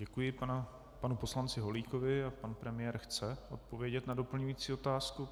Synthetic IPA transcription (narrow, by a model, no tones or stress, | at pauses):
ɟɛkujɪpana | panupo̞slant͡sɪɦo̞liːko̞vɪapanpɾɛmɪjɛːɾxt͡sɛʔo̞t̪̚po̞vjɛɟɛt̪nado̞pl̩ɲujiːt͡siːo̞t̪aːsku